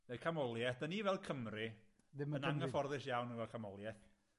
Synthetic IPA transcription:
nekʰamɔlˠjɛθd̥ənivɛlˠkʰəmrɪ | dɪənaŋəfɔrðɪʃjawnəvɛlˠkʰamɔlˠjɛθ

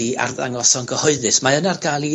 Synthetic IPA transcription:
ia̰rða̰ŋɔsɔŋɡəhɔɨðɨsmaənarɡalˠi

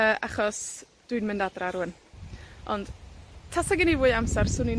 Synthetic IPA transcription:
əʔaχɔs | d̥ʊɨnmɨndadraɾuən | ɔ̰nd̥tʰasaɡɪnivuːɨamsarsʊnin

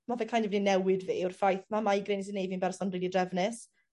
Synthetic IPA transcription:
mavɛkʰajndɛvninɛwɪdviːʊrfajθmamaiɡɾenis̬inejvinbɛrsɔnriːlˠidrɛvnɪs

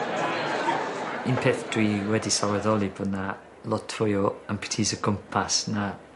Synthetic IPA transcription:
inpʰeːθd̥riːwɛdisawɛðɔlˠiboːdna | lˠɔtʰʊjɔampʰɪ̥tʰiːsəɡəmpʰasna

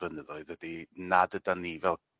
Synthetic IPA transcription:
ənəðɔɨðwədinadədanivɛlˠ

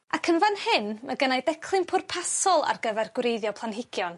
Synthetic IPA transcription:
akʰənvanhɪnmaɡənajdɛkʰlˠɨmpʰʊrpʰasɔlˠa̰rɡəvɛrɡwɾejðjɔpʰlˠanɦɪɡ̥jɔn

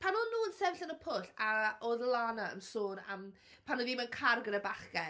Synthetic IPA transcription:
pʰanunːuːənsɛvɬənəpʰʊɬaoðəlˠanaə̰msoːna̰m | pʰanuːðimənkʰarɡənəbaχɡɛ

